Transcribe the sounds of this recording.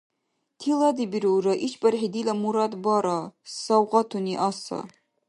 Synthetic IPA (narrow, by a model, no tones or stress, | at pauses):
t̪ʰilˠɑd̪ibiɾuwɾɘʔit͡ʃbɘɾɦid̪ilæmuɾɑd̪bɑɾɑsɑwʁɑt̪uniʔɑsɑ̰